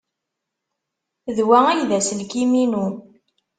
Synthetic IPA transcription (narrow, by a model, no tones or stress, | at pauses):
ðwææjðæsəlkiminu